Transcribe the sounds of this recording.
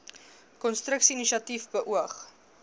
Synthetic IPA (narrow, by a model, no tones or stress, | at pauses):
kɔnstɾəksiiniʃiɐtifbəʔuəχ